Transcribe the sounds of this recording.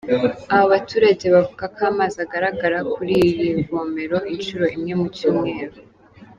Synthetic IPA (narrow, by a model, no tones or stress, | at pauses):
aβoβatuːɾaɟe̞βavuɡakaːmazaɡaɾaɡaɾakuɾijiɱvoːme̞ɾo̞ʔint͡ʃuɾo̞ʔimɲe̞mucuːmŋe̞ːɾo